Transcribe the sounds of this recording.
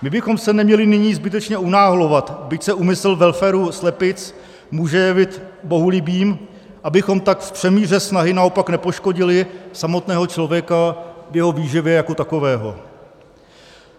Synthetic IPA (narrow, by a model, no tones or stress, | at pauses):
mɪbɪxo̞msɛnɛmɲɛlɪnɪɲiːzbɪt̪̬ɛt͡ʃɲɛunaːɦolo̞vat̪bɪcsɛumɪsɛlvɛlfɛːɾuslɛpɪt͡s | muːʒɛjɛvɪt̪bo̞ɦulɪbiːm | ʔabɪxo̞mt̪akfpr̥ɛmiːr̝ɛsnaɦɪnao̞paknɛpo̞ʃko̞ɟɪlɪsamo̞t̪nɛːɦo̞t͡ʃlovjɛkavjɛɦo̞viːʒɪvjɛjako̞t̪ako̞vɛːɦo̞̰